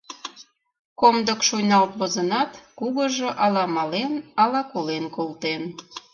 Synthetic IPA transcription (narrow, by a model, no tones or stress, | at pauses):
komd̪əkʃujnɑlt̪βozənɑt̪kuɣəʒoʔɑlɑmɑlenɑlɑkolenkolt̪en